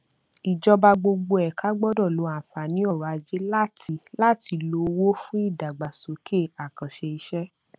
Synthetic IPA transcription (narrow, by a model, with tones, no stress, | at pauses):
i˨d͡ʒɔ˧ba˧ɡ͡bo˧ɡ͡bo˧ɛ˨ka˨˦ɡ͡bɔ˦˨dɔ˦˨lo˨˧˦ã˦˨fa˨nĩ˨˦ɔ˦˨ɾa˧d͡ʒe˦la˦ti˧˦la˦˨tʰi˨˧lo˧wo˦fũ˦i˦˨da˨ɡ͡ba˨so˨˦kʰe˦˨a˨kã˨ʃe˧i˧ʃɛ˦